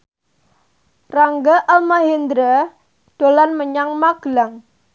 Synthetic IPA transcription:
raŋɡaʔalmaɦind̪ɾa | ɖ̥olanməɲaŋmaɡ̥laŋ

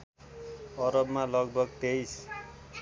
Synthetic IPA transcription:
ʌɾʌbmalʌɡbʌɡt̪ejs

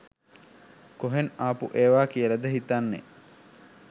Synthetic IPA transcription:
koɦenaːpṵʔeːʋaːkijələd̪əɦit̪anːḛ

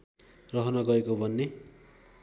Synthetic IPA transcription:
rʌɦʌnʌɡʌekobʱʌnːe

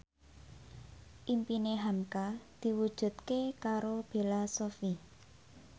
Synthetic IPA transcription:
ʔimpineɦamkad̪̥i̤wud̥ʒ̥ṳt̪̚kekaɾob̥e̤lasofi

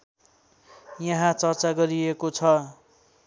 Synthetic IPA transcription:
jʌɦãt͡sʌrt͡saɡʌɾiekot͡sʰʌ

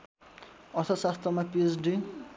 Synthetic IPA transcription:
ʌɾt̪ʰʌsast̪ʰʌmapiesɖi

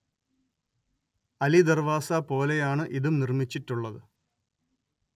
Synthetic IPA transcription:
ɐlid̪ɐrʋaːsɐpo̞ːle̞jaːɳɨʔiðumnirmit͡ɕːiʈːuɭːɐðɨ

